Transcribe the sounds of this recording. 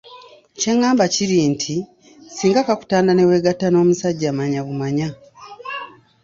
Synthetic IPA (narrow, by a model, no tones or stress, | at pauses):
ce̞ŋaːmbaciɾintʰi | siːŋɡakaku̥taːndane̞weɡatano̞ːmusaɟːamaɲaβumaɲa